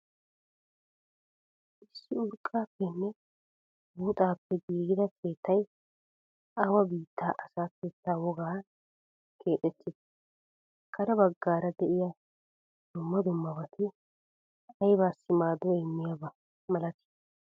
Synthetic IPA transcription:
ʔɪsːɪʊɾkʼːaːpːɛnːɛ | buːt̪ʼaːpːɛɡiːɡɪd̪ɐkʰe̞ːt̪ːɐj | ʔawɐbiːt̪ːaːʔɐsaːkeːt̪ːaːwɔɡaː | kʰe̞ːt̪ʼːɛt̪ːɪd̪ɐ̥ | kʰɐɾɐbɐɡːaːɾɐd̪ɛʔɪjɐ | d̪̥ʊmːɐd̪ʊmːɐbɐt̪ʰɪ | ɐjbaːsːɪmaːd̪ɔɪmːɪjabɐ | mɐlɐt̪ɪ̥

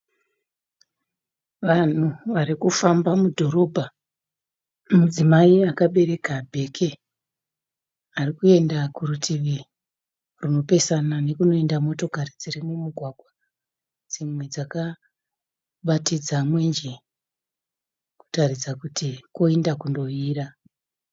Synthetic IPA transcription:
ʋan̤uʋaɾikufambamudʱo̞ɾo̞bʱa | mud͡zimaiakaɓe̞ɾe̞kabʱe̞kʰe̞ | arikue̞ndakurutʰiʋi | runo̞pe̞sanane̞kuno̞e̞ndamo̞to̞karid͡zirimwemuɡʱwaɡʱwa | d͡zimwe̞d͡zaka | kɓatid͡zamwe̞nd͡ʒe | ku̥tarid͡zakutʰikoendakundo̞iːra

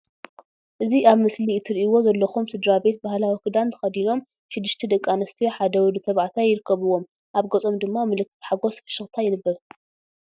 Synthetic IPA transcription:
ʔɨziʔaβmɨslit̪ʰɨɾʔiwo̞zɐlːɐxumsɨd̪ɾabe̞t̪̚bahlawikɨd̪ant̪ʰɨ̥xɐd̪ino̞m | ʃɪd̪ːɨʃt̪ʰɛd̪ɐkʼːanɐst̪ʰijoħad̪ɐwɨd̪ɨt̪ʰɐβʕat̪ʰajɪɾɨkʰːɐβɨwːo̞m | ʔaβɡɐt͡sʼo̞md̪ɨmːamɨlɨkːɨ̥t̪ħaɡo̞sfɨ̥ʃɨxt̪ʰajɪnɨbːɐɾ

